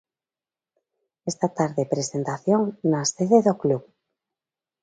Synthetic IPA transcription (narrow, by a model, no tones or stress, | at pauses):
est̪at̪aɾðepɾesent̪aθjoŋnaseðeðokluβ